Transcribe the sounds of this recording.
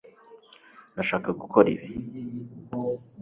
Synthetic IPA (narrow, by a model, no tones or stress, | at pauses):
naʃaːkaɡukʰo̞ɾḭɾe